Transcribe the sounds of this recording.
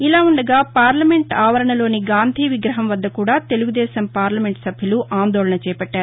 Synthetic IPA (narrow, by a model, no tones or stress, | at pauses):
ilaːuɳɖɐɡaːpaːɾlɐme̞ɳʈaːʋɐɾɐɳɐlo̞ːniɡaːnd̪ʱiːʋiɡɾɐɦɐmʋɐd̪ːɐkuːɽaːt̪e̞luɡud̪ɛːsɐmpaːɾlɐme̞ɳʈsɐbʱjɐluʔaːnd̪ɔːɭɐnɐt͡ʃɛːpɐʈːaːɾu